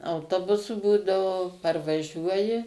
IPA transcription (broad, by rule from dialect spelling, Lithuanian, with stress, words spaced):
ɐʊˈtoːbʊsʊ ˈbuːdɐʋoː pɐrʋɐˈʒʲuɔjɪ